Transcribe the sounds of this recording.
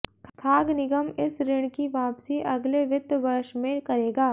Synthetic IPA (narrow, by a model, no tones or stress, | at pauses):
kʰaːɡnɪɡəmɪsɾɪɽ̃kiʋaːpsiʔɐɡleʋɪd̪ʋɐɾʃmẽkɐɾeːɡaː